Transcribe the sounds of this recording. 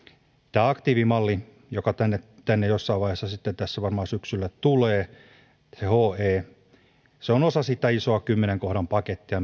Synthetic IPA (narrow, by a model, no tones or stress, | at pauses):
t̪æːɑkt̪iːʋimɑlːi | jokɑt̪ænːet̪ænːejosːɑiʋʋɑihesːɑsit̪ːent̪æsːæʋɑrmɑːsyksylːætt̪uleː | sehoːeː | seonosɑsit̪ːæisoɑkymːeneŋkohɾɑmpɑket̪ːiɑ